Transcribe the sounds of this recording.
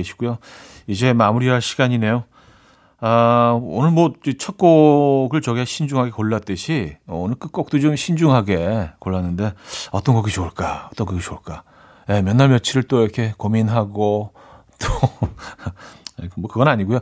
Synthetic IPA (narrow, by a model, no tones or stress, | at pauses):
eɕʰi̥ɡujo | id͡ʑe̞mamuɾiaɕʰiɡaɲine̞jo | ao̰nɯnmʌd͡ʑit͡ɕʰʌt̚k͈oɡɯɭt͡ɕʌɡeɕʰind͡ʑuŋɦaɡe̞koɭːat͈ɯɕʰionɯɭk͈ɯk͈ok̚t͈ot͡ɕomɕʰind͡ʑuŋɦaɡe̞koɭːanːɯnde̞ʌt͈ʌnɡʌɡit͡ɕouɭk͈aʌt͈ʌnɡʌɡit͡ɕouɭk͈a | jemjʌnːaɭmjʌt͡ɕʰiɾɯɭt͈oiɾʌkʰe̞kominɦaɡo | t͈o | mʌkɯɡʌnaɲiɡujo